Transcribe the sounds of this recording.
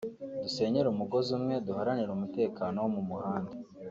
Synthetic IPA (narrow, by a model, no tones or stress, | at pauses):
duse̞ːɲe̞ɾumuɡo̞zumŋe̞duhaɾaniɾumute̞ːkaːno̞womumuhaːnde